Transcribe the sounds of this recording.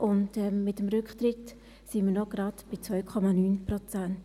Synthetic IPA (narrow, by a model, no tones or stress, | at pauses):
ʔʊntɛmːɪtəmɾʏkχt̪ɾɪt | simənɔɡ̥ɾɑdb̥ɪt͡sʋœɥkʰɔmɑnyːnpɾɔt͡sant